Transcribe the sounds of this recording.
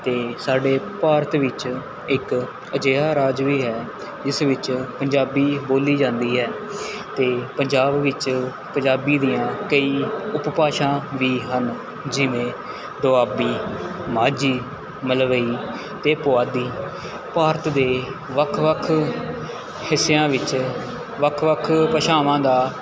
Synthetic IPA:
t̪eːsaːɖeːpaːɾət̪ʋɪt͡ʃ | ɪk | əd͡ʒeːaːɾaːd͡ʒʋiːɦɛː | d͡ʒɪsʋɪt͡ʃpəɲd͡ʒaːbiːboːliːd͡ʒãːnd̪iːɦɛː | t̪eːpəɲd͡ʒaːbʋɪt͡ʃ | pəɲd͡ʒaːbiːd̪ijãːkəiːʊppaːʃãːʋiːɦən | d͡ʒɪʋẽː | d̪oaːbiːmaːd͡ʒiː | məlʋəiː | t̪eːpʊaːd̪iː | paːɾət̪d̪eːʋəkʰʋəkʰ | hɪsːejãːʋɪt͡ʃ | ʋəkʰʋəkʰpəʃaːʋãːd̪aː

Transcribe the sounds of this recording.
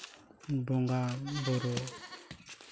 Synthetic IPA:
boŋɡaboɾo

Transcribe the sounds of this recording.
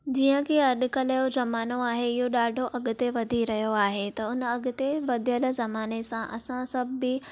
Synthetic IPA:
d͡ʑiːə̃kʰeɐɗ̆kɐləjozɐmaːnoaːɦeɪɦoɗaːɖʱoʔɐɠʊ̆t̪eʋɐd̪ʱiɾɐɦijoaːɦet̪ɐʊnɐɠʊ̆t̪eʋɐd̪ʱjəlzɐmaːnesãʔɐ̰sãsɐbbːɪ

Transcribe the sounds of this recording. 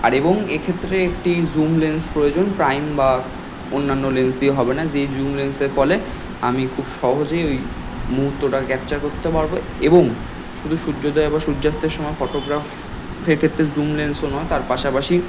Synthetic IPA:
a̰ɾeboŋekʰet̪ːɾeek̚ʈizumlenspɾojod͡ʑonpɾajmba | onːanːolensd̪ieɦɔbenad͡ʑezumlenseɾfɔle | amikʰubʃɔɦod͡ʑejoj | muɦut̪ːoʈakɛp̚t͡ɕaɾkoɾt̪epaɾbo | eboŋ | ʃud̪ʱuʃuːod̪ɔbaʃud͡ʑːast̪ːeɾʃɔmɔefɔʈoɡɾaf | feɾkʰet̪ːɾed͡ʑumlensonɔet̪aɾpaʃapaʃi

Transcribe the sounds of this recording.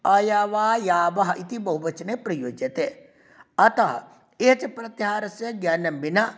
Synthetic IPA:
ɐjaːʋaːjaːbɐɦɐʔit̪ibɐɦubɐt͡ʃɐnepɾɐjoːd͡ʒjɐt̪eː | ɐt̪ɐɦɐ̰ | eɦɐt͡ʃɐpɾɐt̪jɦaːɾɐsjɐɡjaːnɐmbinɐ

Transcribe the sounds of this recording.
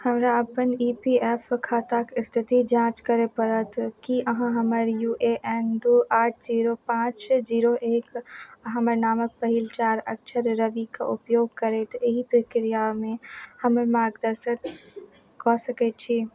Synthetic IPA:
həmɾaəpəniːpiefkʰaːt̪akɪst̪ʰɪt̪id͡ʒãːt͡ʃkəɾepəɾət̪ʰkiʔəɦãɦəməɾjuːʔeʔɛnd̪uaːʈʰziːɾopãːt͡ʃd͡ʒiːɾoʔeːkɦãməɾnaːmək̚pəɦilt͡ʃaːɾəkt͡ʃʰəɾːəbika̰ʔʊpjoːɡ̚kəɾet̪eɦipɾəkɾijamẽhəməɾmaːɡd̪əɾsət̪ | kɔːsəkɛt͡ʃʰi

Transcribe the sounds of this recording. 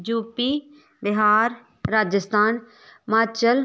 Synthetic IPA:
d͡ʒuːpiː | b̪ɪɦaːɾː | aːd͡ʒəst̪ʰaːn | maːt͡ʃəl

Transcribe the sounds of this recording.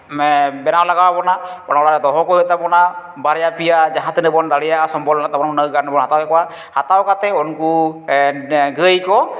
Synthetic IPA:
bɛnaɔlaɡabɔnabɔnaɔlaɾɛd̪ɔɦɔkɔət̪apɔna | baɾɛjapijad͡ʒaɦãt̪ɯnɯbɔnd̪aɽijaasɔmbɔlat̪abɔnɔnəwɡanɯbɔnɦat̪awkɛkɔa | hat̪awkat̪ɛɔnku | ɡəjkɔ

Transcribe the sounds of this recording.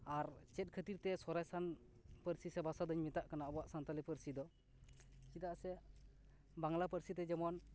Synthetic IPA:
aɾt͡ʃɛt̪̚kʰət̪iɾt̪ɛsɔɾajsan | pəɾsisɛbasad̪ɔɲmit̪aʔkanabɔaʔsant̪alɛpəɾsid̪ɔ | kid̪aʔsɛ | baŋlapəɾsit̪ɛd͡ʒɛmɔn

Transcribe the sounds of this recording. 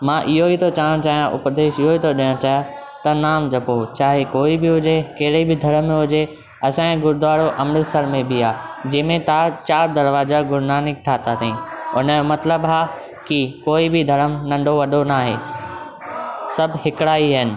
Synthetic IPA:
mãːʔɪɦoit̪ʰot͡ɕaːɽ̃õt͡ɕaːɦijãʔʊ̰pd̪eːʃɪɦoit̪ʰoɗɪj̃õt͡ɕaːɦj | t̪ɐnaːmd͡ʑɐpot͡ɕaːɦekoːibɪɦʊd͡ʑekɐːɽəibɪd̪ʱɐɾəmːẽɦʊd͡ʑe | ɐsãːɡʊɾd̪ʱʋaːɽoʔɐmnɪsəɾmẽbʱɪaːd͡ʑɐ̃ːmẽt̪aːt͡ɕaːɾd̪ɐɾʋaːzaɡʊɾnaːnɪk̚ʈʰaːt̪at̪ʰɐĩːʊnəmɐt̪ləbɦaː | kikoːibɪd̪ʱɐɾəmnɐ̃ɳɖʱoʋɐɗonaːɦḛː | sɐbʱɦɪkɽaːiɦənɪ̆

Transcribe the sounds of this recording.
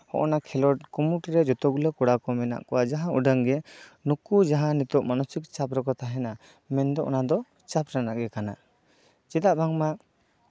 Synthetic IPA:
hɔ̰ʔɔnakʰɛlɔʈ̚kumuʈiɾɛd͡ʒɔt̪ɔɡulekɔɽakɔmɛna̰ʔkɔwad͡ʒaɦãuɖəŋɡɛnukud͡ʒaɦãnit̪ɔʔmanɔsikt͡ʃapɾɔkɔt̪aɦɛna | mɛnd̪ɔʔɔ̰nad̪ɔ | t͡ʃapɾanaʔɡɛkana̰ | t͡ʃit̪aʔbʱaŋma

